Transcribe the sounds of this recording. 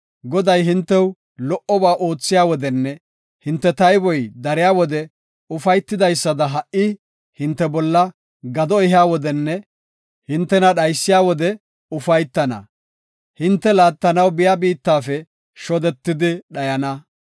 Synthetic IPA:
ɡɔd̪ɐjɦɪnt̪ːɛw | lɔʔɔbaːʔo̞ːt͡sːɪjaːwɔd̪ɛnːɛ | hɪnt̪ːɛt̪ɐjbɔjd̪ɐɾɪjaːwɔd̪ɛ | ʊfɐjt̪ːɪd̪ɐjsːɐd̪ɐɦɐʔɪ | hɪnt̪ːɛbɔlːɐ | ɡɐd̪ɔɪɦɪaːwɔd̪ɛnːɛ | hɪnt̪ːɛnɐɗɐjsːɪjaːwɔd̪ɛ | ʊfɐjt̪ːɐnɐ̰ | hɪnt̪ːɛlaːt̪ːɐnɐwbɪjabiːt̪ːaːfɛ | ʃɔd̪ɛt̪ːɪd̪ɪɗɐjɐnɐ

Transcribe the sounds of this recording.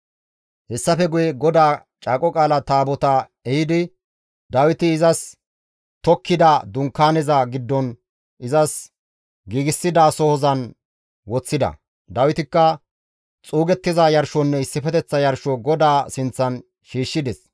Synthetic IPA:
hɛsːɐfɛɡʊjɛɡɔd̪aː | t͡ʃʼaːkʼɔkʼaːlɐt̪aːbɔt̪ɐ | ɛhɪd̪ɪ | d̪ɐwɪt̪ɪːzɐs | t̪ɔkːɪd̪ɐd̪ʊŋkːaːnɛzɐɡɪd̪ːɔn | ɪzɐs | ɡiːɡɪsːɪd̪asɔhɔzɐn | wɔt͡sːɪd̪ɐ̰ | d̪ɐwɪt̪ɪkːɐ | t͡sʼuːɡɛt̪ːɪzɐjɐɾʃɔnːɛɪsːɪfɛt̪ɛt͡sːɐjɐɾʃɔɡɔd̪aːsɪnt͡sːɐn | ʃiːʃːɪd̪ɛs

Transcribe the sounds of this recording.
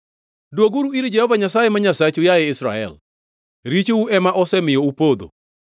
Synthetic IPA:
dwoɡuɾuiɾd͡ʒɛhɔvaɲasajemaɲasat͡ʃʊjaɛɪsɾa̰ɛ̰l | ɾit͡ʃouɛmaʔɔsɛmɪjɔupod̪o̰

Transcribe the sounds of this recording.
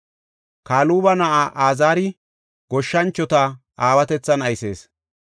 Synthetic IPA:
kaːluːbɐnɐʔaːʔaːzaːɾɪ | ɡ̥ɔʃːɐnt͡ʃːɔt̪ɐ | ʔaːwɐt̪ɛt͡sːɐnɐjse̞̰ːs

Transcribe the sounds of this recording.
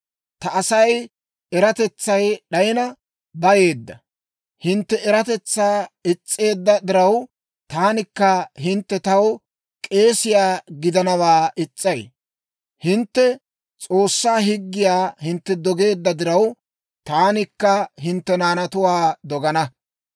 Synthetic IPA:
t̪ɐʔɐsɐj | ɛɾɐt̪ɛt͡sːɐjɗɐjɪnɐ | bɐje̞ːd̪ːɐ | hɪnt̪ːɛɛɾɐt̪ɛt͡sːaːɪt͡sʼːe̞ːd̪ːɐd̪ɪɾɐw | t̪aːnɪkːɐɦɪnt̪ːɛt̪ɐw | kʼe̞ːsɪjaːɡɪd̪ɐnɐwaːʔɪt͡sʼːɐj | hɪnt̪ːɛ | t͡sʼo̞ːsːaːɦɪɡːɪjaːhɪnt̪ːɛd̪ɔɡe̞ːd̪ːɐd̪ɪɾɐw | t̪aːnɪkːɐɦɪnt̪ːɛnaːnɐt̪ʊwaːd̪ɔɡɐnɐ

